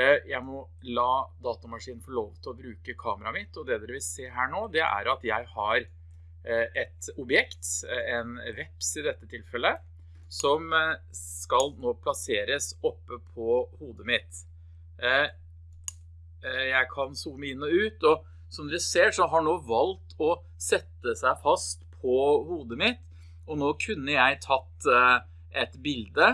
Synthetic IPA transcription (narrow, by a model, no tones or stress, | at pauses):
jæɪmɔ | lɑːd̪ɑːt̪ɑmɑʂiːnn̩fɔɭoːʋt̪ʰɪlɔbɾʉːkəkʰɑːməɾɑmɪt̪ːɔd̪ɛd̪ɛd̪ɛʋɪlseːɦæːɳoːd̪ɛʔæ̰ɾɑt̪jæɪhɑɾ | ɛt̪ɔbjɛkt̪ɛnʋɛpsɪd̪ɛt̪ːət̪ʰɪlfɛlːə | sɔmskɑlnoːpʰlɑseːɾəsɔpːəpʰɔhuːd̪əmɪt̪ | jæɪkʰɑnsuːməɪnːɔʉːt̪ɔ | sɔmd̪ɾɛseːʂɔɦɑɳoːʋɑlt̪ʰɔ | sɛt̪ːəsæɪfɑst̪pʰɔhuːd̪əmɪt̪ | ɔnoːkʰʉnːəjæɪt̪ʰɑt̪ː | ʔɛt̪bɪld̪ə